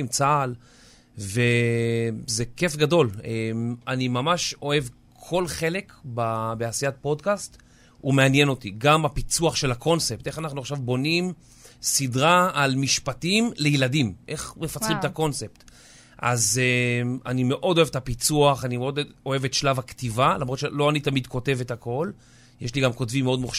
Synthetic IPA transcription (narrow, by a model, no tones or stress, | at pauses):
mt͡saːl | ve | zeke̞fɡado̞lemanimamaʃo̞e̞v | kʰo̞lχe̞le̞kbabeasijat̚po̞dkast | ume̞anjeno̞tiɡamapit͡suaχʃe̞lakʰo̞nsepteχanaχnuaχʃavbo̞nim | sidʁaːlmiʃpatimlejiladimʔe̞χmefat͡sʁimt̪ako̞nsept | ʔa̰zeanime̞ʔo̞doevetapit͡suaχanimeo̞do̞e̞vetʃlavaktivalamʁo̞tʃelo̞anitamidko̞te̞vetako̞l | jeʃliɡamko̞tvimːeo̞dmuχ